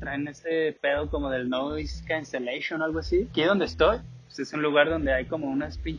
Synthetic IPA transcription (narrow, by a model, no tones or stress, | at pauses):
t̪ɾajene̞sepeðoko̞mo̞ðe̞lnoiskanselejʃjonalɣoasikiðo̞nd̪est̪o̞j | ese̞sunluɣaɾðo̞nd̪e̞ajko̞mo̞unaspin